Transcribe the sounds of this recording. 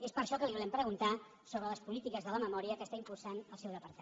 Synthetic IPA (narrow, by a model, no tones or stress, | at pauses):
espəɾʃɔkəliβulɛmpɾəɣunt̪a | soβɾələspulit̪ikəzðələməmɔɾiəkəst̪aimpulˠsanəlˠsɛwðəpəɾt̪